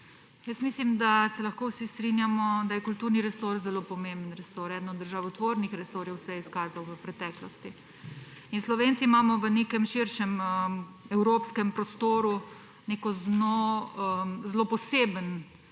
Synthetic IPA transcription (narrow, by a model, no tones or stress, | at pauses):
jəst̪mislimd̪asɛlɐxkoːwsist̪ɾinjamɔd̪ajɛkult̪uːɾniɾɛsoɾzɛlopɔmembənɾɛsoːɾɛd̪nɔd̪d̪əɾʒaːwut̪ʋoɾnixɾɛsoːɾjɛwsɛjɛiskaːzawʋəpɾɛt̪ɛːklɔst̪i | inslɔʋeːnt͡s̪iːmaːmɔʋəneːkɛmʃiɾʃɛmə | ɛwɾoːpskɛmpɾɔst̪oːɾu | nekɔznoəzloːpɔseːbən